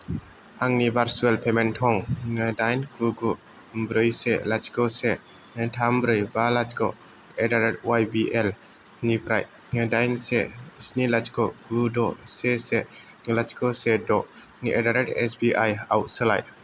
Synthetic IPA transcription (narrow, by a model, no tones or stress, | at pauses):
aŋnibaɾsuɛlpʰɛmɛntʰɔŋdajnkuɡu | bɾəjsɛ̰ʔlat͡ʃkɔsɛ | tʰambɾəjbalat͡ʃkɔ | ɛdaɾɛʈ̚wajbiʔɛl | nipɾa̰j | dajnsɛsnilat͡ʃkɔɡudɔsɛsɛlat͡ʃkɔsɛdɔʔʔɛdaɾɛʈɛ̰sbiʔaja̰wʔsəla̰jʔ